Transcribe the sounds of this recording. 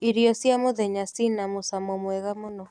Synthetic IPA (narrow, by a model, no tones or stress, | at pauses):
iɾiosiamoðeɲasinamusamomweɣamono